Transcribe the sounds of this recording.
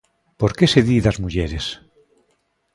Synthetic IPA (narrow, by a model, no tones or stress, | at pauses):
poɾkeseðiðazmuʝeɾes